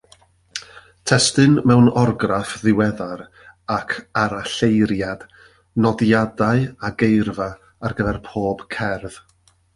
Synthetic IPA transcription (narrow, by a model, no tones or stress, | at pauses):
tʰɛstɨnmɛwnɔrɡrafðɪwɛðaɾ | akʰaɾaɬejɾjad̥ | nɔdjadaɨaɡejrva | arɡəvɛrpʰoːb̥kʰɛrð̥